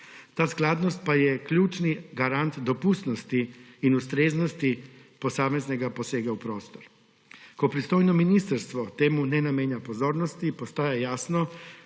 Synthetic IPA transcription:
t̪aːsklaːd̪nɔst̪̚pajɛklʲuːt͡ʃniɡaɾant̪d̪opust̪nost̪iːnust̪ɾeːznost̪iposaːmeznɛɡaposeːɡaupɾoːst̪ɔɾ | kopɾist̪oːjnɔminist̪aɾst̪ʋɔt̪eːmunɛnameːɲjapozoːɾnɔst̪ipost̪aːjajaːsnɔ

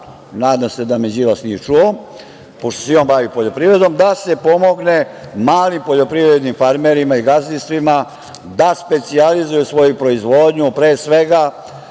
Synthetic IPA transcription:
naːd̪amse̞d̪amed͡ʑilasnijet͡ʂuo | poʃt̪o̥sejoːnbaʋipoʎo̞pɾivɾe̞d̪o̞md̪ase̞po̞mo̞ɡne̞maːlimpo̞ʎo̞pɾivɾed̪nimfaɾmeɾimaiɡazlist̪ʋima | d̪aspe̞t̪sializujusʋo̞jupɾo̞izʋoːd̪ɲupɾeːsʋe̞ɡa

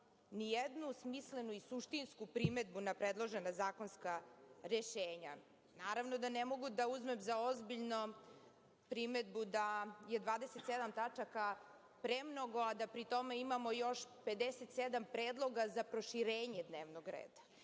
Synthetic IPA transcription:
nijed̪nusmislenuisuʃt̪inskupɾime̞d̪bunapɾed̪lˠo̞ʒenazaːko̞nskaɾeʃeːɲa | naːɾaʋnod̪anemo̞ɡud̪auzme̞mzaozbiʎno | pɾime̞d̪̚bud̪ajed̪ʋaːd̪eset̪sed̪amt̪at͡ʂaka | pɾemno̞ɡo̞ad̪apɾit̪o̞meimamojo̞ʃpe̞d̪eset̪sed̪ampɾeːd̪lˠo̞ɡazapɾo̞ʃiɾeːɲed̪neːʋnoɡɾḛːd̪a

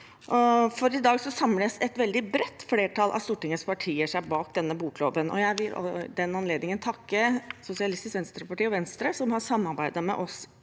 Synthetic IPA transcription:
ʔɔfɔɾɪd̪ɑːɡsɔsɑmləsɛt̪ʋɛld̪ɪbɾɛt̪ːfleːʈʰɑlʔɑ̰st̪uːʈɪŋəspʰɑʈʰiːəʂæɪbɑːkd̪ɛnːəbuːkʰloːʋənʔɔ̰jæɪʋɪlɔ̰d̪ɛnɑnleːd̪nɪŋənt̪ʰɑkːəsʊsɪɑlɪst̪ɪsʋɛnst̪ɾəpɑʈiːɔʋɛnst̪ɾəsɔmhɑsɑmːɑɾbæɪd̪ɑmɛ̰ʔɔs

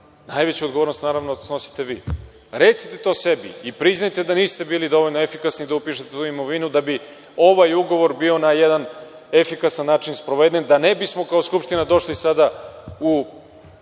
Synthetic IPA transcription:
najʋet͡ɕuod̪ɡooɾnost̪naːɾaʋnosno̞si̥t̪e̞ʋiː | ɾet̪si̥t̪e̞t̪o̞ːse̞bḭipɾiznajt̪e̞d̪aniːst̪e̞biːlid̪o̞ʋoʎʲnoefikasnid̪aupiːʃet̪et̪uimo̞ʋinud̪abi | o̞ʋajuɡo̞ʋo̞ɾbio̞najed̪an | e̞fikasanːaːt͡ʃinspɾo̞ʋed̪end̪anebismo̞kaoskupʃt̪inad̪o̞ʃlisad̪au

